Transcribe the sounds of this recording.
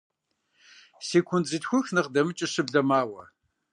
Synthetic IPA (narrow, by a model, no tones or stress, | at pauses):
seːkʷʰʊnzɨtxʷʊxnɨqdɐmɨt͡ʃʼɪɕɨbɮɐmaːwɐ